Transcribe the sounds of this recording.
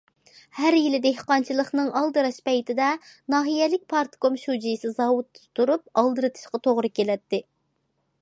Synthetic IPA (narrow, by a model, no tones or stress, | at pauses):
hæɾjilɪd̪ehqɑnt͡ʃʰilˠəχnɨŋʔɑlˠd̪ɨɾɑʃpɛjt̪ʰɪd̪ɛnɑːɦijɛlɪk̚ʲpʰɑɾt̪ɨ̥komʃud͡ʒijsɨzɑwut̪ːɨt̪ʰuɾup̚ɑlˠd̪ɨɾɨt̪ʰɨ̥ʃqɑt̪ʰoʁɾɨkʲelɛt̪ːɪ